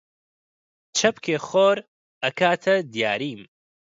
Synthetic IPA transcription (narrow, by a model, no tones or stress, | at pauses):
t͡ʃʰɐpkʰeːxoːɾ | ɐkʰaːt̪ʰɐd̪ija̰ːɾiːm